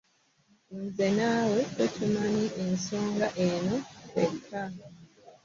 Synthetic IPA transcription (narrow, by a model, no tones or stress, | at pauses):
nzenaːwetetumaniʔenso̞ːŋɡaʔeno̞ḛtʰːa